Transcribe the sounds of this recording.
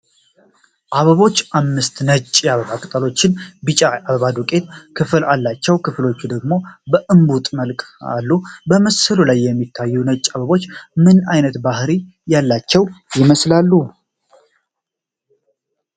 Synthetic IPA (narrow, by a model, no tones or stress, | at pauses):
ʔaβəβo̞t͡ʃːʔamːɨst̪nət͡ʃʼjaβəβakʼət̪ʼəlo̞t͡ʃːɪnbɨt͡ʃʼaaβəβad̪ukʼe̞t̪kʰɨfɨlalːat͡ʃːɛwkʰɨflo̞t͡ʃːud̪əɡmo̞bəʔɨmbut̪ʼməlkʼa̰lːubəməsəlulajːɛmːit̪ʰːajːunət͡ʃʼːaβəβo̞t͡ʃːmɨnajnət̪bahɾi | jalːat͡ʃːɛwjɪməslalːu